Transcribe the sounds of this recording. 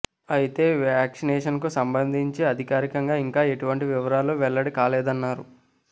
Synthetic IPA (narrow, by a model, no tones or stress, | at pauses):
ɐjit̪e̞ːʋaːksinɛːʂɐnkusɐmbɐnd̪ʱiɲt͡ʃiɐd̪ʱikaːɾikɐŋɡaːiŋkaːe̞ʈuʋɐɳʈiʋiʋɐɾaːloːʋɛɭːɐɽikaːlɛːd̪ɐnːaːɾu